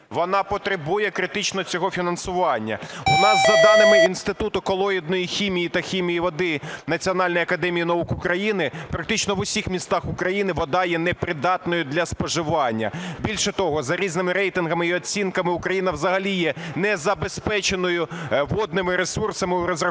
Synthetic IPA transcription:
ʋɔnɑpɔt̪ɾɪbujɛkɾɪt̪ɪt͡ʃnɔt͡sʲɔɦɔfʲinɐnsʊʋɑnʲːɐ̰ʊnɑzːɐd̪ɑnɪmɪinst̪ɪt̪ut̪ʊkɔlˠɔid̪̚nɔjixʲimʲijit̪ɐxʲimʲijiʋɔd̪ɪnɐt͡sʲiɔnɑlʲnjɐkɐd̪ɛmʲijinɐukʊkɾɐjinɪpɾɐk̚t̪ɪt͡ʃnɔʋʊsʲixmʲist̪ɑxʊkɾɐjinɪʋɔd̪ɑjɛnɛpɾɪd̪ɑt̪nɔjʊd̪lʲɐspɔʒɪʋɑnʲːɐ̰bʲilʲʃɛt̪ɔɦɔzɐɾʲiznɪmɪɾɛjt̪ɪnɦɐmɪiɔt͡sʲinkɐmɪʊkɾɐjinɐwzɐɦɐlʲijɛnɛzɐbespɛt͡ʃenɔjʊʋɔd̪nɪmɪɾesursɐmɪʊɾɔzrɐ

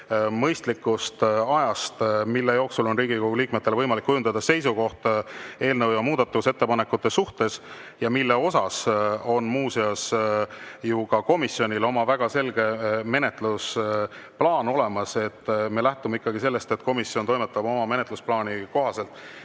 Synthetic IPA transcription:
mɤjst̪likːˑust̪ɑjɑst̪milːe̞jo̞ːksulo̞nriːɡ̥ikoɡ̥uliːkmet̪ːelvɤjmɑlikːujund̪ɑd̪̥ɑse̞jsuko̞ht̪e̞ːlnɤwjɑmuːd̪̥ɑt̪ːuuse̞t̪ːe̞pɑne̞kːˑut̪ːˑe̞suht̪e̞s | jɑmilːe̞o̞sɑso̞nmuːsiɑs | jukɑko̞misio̞nʲilo̞mɑvæɡ̥ɑse̞lɡ̥e̞me̞ne̞t̪ˑlus | plɑːno̞le̞mɑse̞t̪ːme̞læht̪umeikːɑɡise̞lːe̞st̪e̞t̪ko̞misiont̪o̞jmet̪ːˑɑbo̞mɑme̞net̪lusplɑːniko̞ɦɑse̞lt̪ːˑ

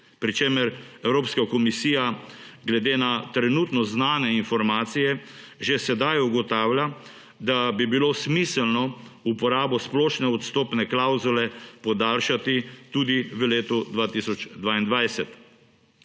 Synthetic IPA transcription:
pɾit͡ʃeːməɾɛwɾoːpskakɔmisiːjaɡlɛd̪eːnat̪ɾɛnuːt̪nɔznaːnɛinfɔɾmaːt̪sijɛ | ʒesɛd̪ajuɡɔt̪aːwlʲja | d̪abibilosmisɛlnɔupɔɾaːbɔsplɔːʃnɛɔt̪st̪oːpnɛklawzulɛpɔd̪aːlʃat̪it̪ud̪iʋəleːt̪ud̪ʋaːt̪isɔd͡ʒd̪ʋaːind̪ʋajsɛt̪

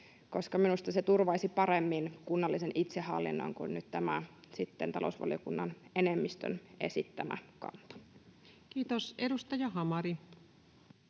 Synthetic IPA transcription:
koskɑminust̪ɑset̪urʋɑisipɑɾemːinkunːɑlːisenʔit̪sehɑlːḭnːo̰iŋkunːyt̪t̪æmæsit̪ːent̪ɑlo̰usʋɑ̰lijokunːɑnenemːist̪ø̰ne̞̰sit̪ːæmæ̰kɑ̰nt̪ɑ̥ | kiːt̪osedust̪ɑjɑɦɑmɑɾi

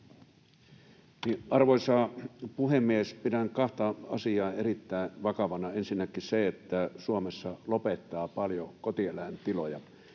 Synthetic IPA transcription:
niʔɑrʋoisɑːpuhemːiespidæŋkɑht̪ɑɑ̰siɑːerit̪ːæˑenʋɑkɑʋɑnɑensinːækːˑiseet̪ːæsuomesːɑlopet̪ːɑːpɑljokot̪ielæˑent̪ilojɑ

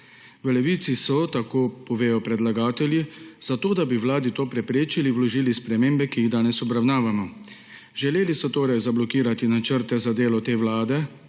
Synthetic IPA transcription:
ʋəlɛʋiːt̪sisɔt̪akoːpɔʋeːjɔpɾɛd̪laɡaːt̪ɛljiz̥at̪oːd̪abiʋlaːd̪it̪oːpɾɛpɾeːt͡ʃiliwlɔʒiːlispɾɛmeːmbɛkijiɣd̪aːnɛsɔbɾawnaːʋamɔ | ʒɛleːlisɔt̪oːɾajzablɔkiːɾat̪inat͡ʃəɾt̪ɛzad̪eːlɔt̪eːʋlaːd̪ɛ

